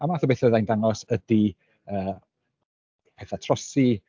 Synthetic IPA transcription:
amaθɔbeθəðajndaŋɔsədi | əː | pʰɛθatʰrɔsi

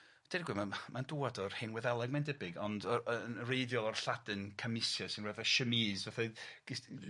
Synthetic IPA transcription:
d̥ɛɾɡwɪmamanduadɔrhenwɛðɛlˠɛɡmandəbɪɡɔndənrejðjɔlˠɔrɬadɨnkʰamɪsjɔsɪnrɛvaʃəmizvaθɛɡ̥ɪ

